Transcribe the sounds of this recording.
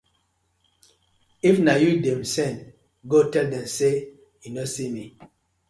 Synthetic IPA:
ifnajudɛmsɛ̃n | ɡotɛldɛ̃mse | junosimi

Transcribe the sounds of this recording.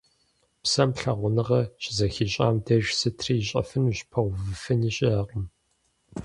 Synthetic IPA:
psɐmɬɐʁʷʊnɨʁɐɕʼɪzɐxiɕʼa̰ːmdɐʒsɨtʰriɕʼɐ̰fɨnuɕpʰɐʁʷvɨfɨniːɕʼɪaːqəm

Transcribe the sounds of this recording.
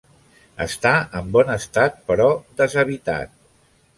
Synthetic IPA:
ə̰st̪aəmbɔnəst̪at̪̚pəɾɔd̪əzəβit̪a̰t̪̚

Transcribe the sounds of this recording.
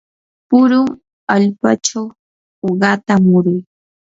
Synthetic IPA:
pʊɾʊŋ | aʎpa̰t͡ʃaw | oɢɑt̪amʊɾʊj

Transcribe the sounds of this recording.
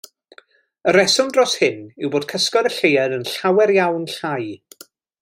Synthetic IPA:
əɾɛsʊndrɔshɪnɪwboːdkʰəskɔɾəɬejadənɬawɛɾjawnɬaj

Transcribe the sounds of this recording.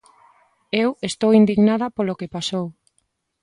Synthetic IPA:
ewest̪owind̪iɣnaðɐpolokepasow

